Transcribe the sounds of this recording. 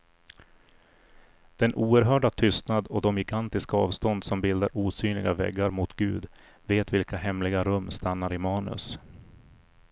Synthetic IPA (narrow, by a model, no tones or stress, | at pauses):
d̪̥ɛnʔuːəɾɦœːɖat̪ʰʏst̪nad̪ɔd̪ɔmjɪɡant̪ɪskaɑːvst̪ɔnd̪sɔmbɪld̪aɾuːsyːnlɪ̰ɡavɛ̰ɡːaɾmʊt̪ɡ̥ʉ̟̰ːd̪ | veːt̪vɪlkaɦɛmlɪɡaɾɵmːst̪anːaɾɪmɑːnɵ̰s